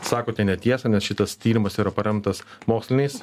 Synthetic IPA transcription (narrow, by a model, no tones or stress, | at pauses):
sɑːkoːt̪ʲɛnʲɛt̪ʲiɛsɐnʲɛsʃʲɪt̪ɐst̪ʲiːɾʲɪmɐsiːɾɐpɐɾʲɛmt̪ɐsmoːksʲlʲɪnʲɪs